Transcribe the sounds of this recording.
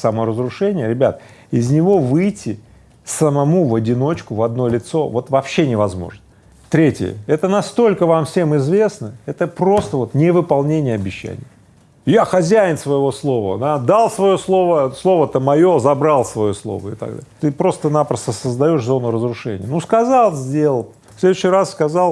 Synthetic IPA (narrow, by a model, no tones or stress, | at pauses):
sɐmoɾəzɾʊʂɛnʲɪjəɾʲɪbʲa̰t̪̚ɪzʲnʲɪvo̞vɨjtʲɪ | səmɐmuvɐdʲɪno̞t͡ɕkʊvɐd̪nolʲɪt̪so̞vo̞t̪vɐpɕːenʲɪvɐzmo̞̰ʐnə | t̪ɾʲetʲɪjə̰ɛt̪ənɐst̪o̞lʲkəvamfsʲe̞mɪzvʲe̞snəɛt̪əpɾo̞st̪əvo̞t̪nʲɪvɨpɐlˠnʲenʲɪjəɐbʲɪɕːæ̰nʲɪ̰jə | jaxɐzʲæjɪnsvəjɪvo̞slˠo̞və̰d̪ad̪alˠsvɐjo̞slˠo̞vəslˠo̞vət̪əmɐjo̞zɐbɾalˠsvɐjo̞slˠo̞̰və̰ɪt̪ɐ̰ɡd̪a̰lt̪ɨpɾo̞st̪ənapɾəst̪əsəzd̪ɐjo̞ʂzo̞nʊrəzɾʊʂɛ̰nʲɪ̰jənuskɐzɑlˠzʲdʲe̞lˠ | sʲlʲe̞d̪ʊɕːɪjrasskɐzɑlˠ